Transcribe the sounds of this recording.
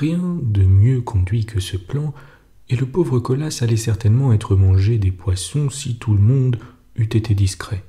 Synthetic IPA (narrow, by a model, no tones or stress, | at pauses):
ʁjɛ̃d̪əmjøkʰɔ̃d̪ɥikʰəsəplɑ̃ | eləpovʁəkɔlasalɛsɛʁt̪ɛnmɑ̃ɛt̪χəmɑ̃ʒed̪epwasɔ̃sit̪ʰuləmɔ̃d̪ | yt̪et̪ed̪iskχɛ